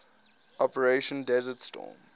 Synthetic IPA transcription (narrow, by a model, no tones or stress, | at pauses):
ʔɔpəɹeʃə̃ndɛzətstɔ̰ːm